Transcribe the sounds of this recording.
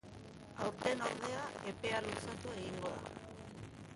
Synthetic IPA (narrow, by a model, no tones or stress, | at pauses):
awɾt̪e̞noɾð̞e̞ae̞pe̞alusat̪ue̞ɣiŋɡo̞ða̰